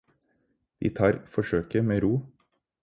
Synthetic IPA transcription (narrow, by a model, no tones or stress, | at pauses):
ʋḭːt̪ʰɑːɾfɔʂøːkəmeːɾuː